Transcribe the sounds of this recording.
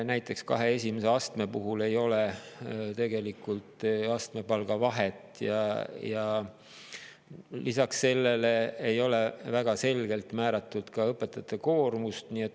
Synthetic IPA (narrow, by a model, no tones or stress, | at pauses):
næjt̪ˑːe̞kskɑ̰ɦe̞e̞sʲimese̞ɑst̪me̞puɦule̞jo̞let̪e̞ɡe̞likːˑult̪ɑst̪me̞pɑlɡ̥ɑvɑɦet̪ːˑjɑjɑ | lisɑksse̞lːe̞leejo̞le̞væɡ̥ɑse̞lɡ̥e̞lt̪mæːɾɑt̪ːˑud̪̥kɑɤpːˑe̞t̪ːˑɑt̪ːˑeko̞ːrmust̪nie̞t̪ː